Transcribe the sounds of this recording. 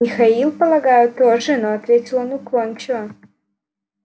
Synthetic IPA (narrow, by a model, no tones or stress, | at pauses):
mʲixailˠpəlˠɐɡajʊt̪ːoʐənoat̪vʲet͡sʲɪlˠonuklˠonʲt͡ɕɪvɐ